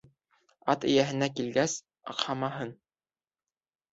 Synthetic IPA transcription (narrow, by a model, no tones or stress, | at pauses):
ɑt̪ɘ̆jæɦɘ̆nækilɡæs | ɑ̰qhɑmɑɦɤn